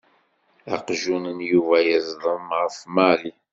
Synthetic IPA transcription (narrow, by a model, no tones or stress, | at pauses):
ɑ̰qʒunənjuvæjəzˤðˤəmʁəfmæli